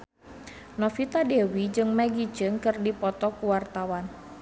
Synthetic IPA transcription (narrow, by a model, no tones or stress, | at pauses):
nɔfit̪adɛwid͡ʒɨŋmaɡit͡ʃɨŋkɨrdipɔt̪ɔkuwart̪awan